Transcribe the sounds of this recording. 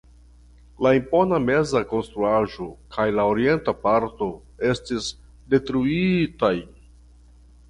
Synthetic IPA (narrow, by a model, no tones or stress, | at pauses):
laimpo̞name̞zako̞nst̪ɾuaʒo̞kʰajlaoɾie̞ntapaɾto̞ | e̞stis | de̞tɾuiitaj